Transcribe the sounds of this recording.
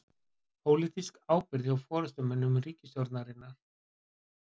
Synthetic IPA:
pʰowliːt̪iskaːwpɪɾðɪawfɔːɾʏst̪ʏmɛnːʏmriːcɪsjɔɾt̪naɾɪnːaɾ̥

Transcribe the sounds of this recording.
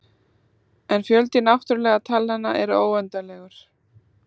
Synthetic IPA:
ɛnfjœlt̪ɪnawht̪ʏɾlɛːɣat̪ʰalːanːaʔɛɾʏoːwɛnt̪alɛːɣʏɾ̥

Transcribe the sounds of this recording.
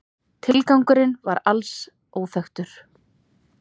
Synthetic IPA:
t̪ʰɪlkawŋkʏɾɪnvaɾals | oːwθœxt̪ʏɾ̥

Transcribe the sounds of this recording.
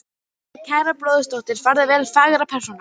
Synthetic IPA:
cʰaːjɾaploːwðʏst̪owht̪ɪɾ̥faɾðɪvɛːlfaːɣɾapʰɛr̥sɔna

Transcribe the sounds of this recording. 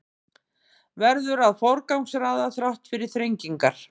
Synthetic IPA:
vɛɾðʏɾaðfɔwɾkawŋksɾaːðaθɾawht̪fɪɾɪɾ̥θɾejɲciŋkaɾ̥

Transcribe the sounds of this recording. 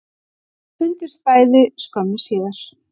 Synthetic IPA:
fʏnt̪ʏ̥spaːjðɪskɔmʏ̥siːðaɾ̥

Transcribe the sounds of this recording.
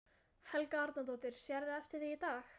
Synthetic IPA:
hɛlkaaɾt̪nat̪̬ɔːt̪ɪɾ̥sjɛɾðɪɛft̪ɪɾ̥θiit̪aːx

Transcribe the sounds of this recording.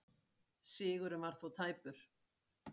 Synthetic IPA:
sɪːɣʏɾɛvaɾ̥θuwt̪ʰaːjpʏɾ̥

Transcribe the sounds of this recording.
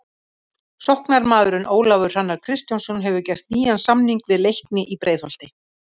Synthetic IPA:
sɔhknaɾmaːðʏɾʏnʔoːwlavʏɾ̥anːaɾ̥kʰɾɪst̪jawnsɔnɦɛvʏcɛr̥t̪niːɣansamniŋkvɪðlejhknɪʔipɾʔeːjðhɔl̥t̪ɪ

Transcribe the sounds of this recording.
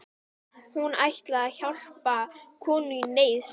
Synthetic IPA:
hunajht̪laçɔl̥pakʰɔːnʏnejs

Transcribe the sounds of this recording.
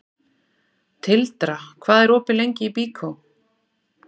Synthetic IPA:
t̪ʰɪlt̪ɾakʰvaːðɛɾɔːpɪlejɲcɪipiːkʰow

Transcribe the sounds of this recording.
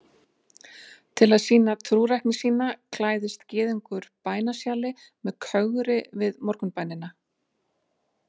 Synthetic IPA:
t̪ʰɪlaðsiːnat̪ʰɾuːɾajhknɪsiːnakʰlaːjðɪst̪cɪːðʏŋkʏɾpaːjnasjaːlɪ | mɛðkʰœɣʏɾɪvɪðmɔɾ̥kʏnpaːjnɪna

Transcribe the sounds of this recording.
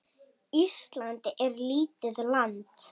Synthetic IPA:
ist̪lant̪ɪʔɛɾliːt̪ɪðlant̪

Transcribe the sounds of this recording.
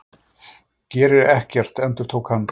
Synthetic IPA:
cɛːɾɪɾɛhcɛr̥t̪ɛnt̪ʏɾ̥t̪ʰoːwkhanː

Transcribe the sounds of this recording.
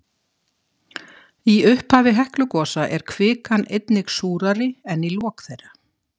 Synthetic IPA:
iʏhphaːvɪɦɛhklʏkɔːsaʔɛɾ̥kʰvɪːkanejt̪nɪɣsuːɾaɾɪɛnːilɔːkθejrːa

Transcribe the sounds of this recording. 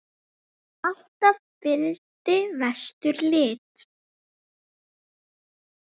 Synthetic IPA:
al̥t̪avfɪlt̪ɪvɛst̪ʏɾlɪːt̪

